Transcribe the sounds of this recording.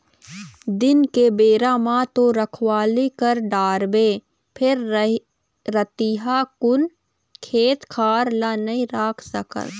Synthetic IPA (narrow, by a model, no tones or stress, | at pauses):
d̪ɪnkebeːɾaːmãt̪oɾəkʰwaːlikəɾɖaːɾbeː | pʰɪɾ | ɾət̪iɦakʊn | kʰeːt̪kʰaːɾlanəɦĩɾaːkʰsəkə̰t̪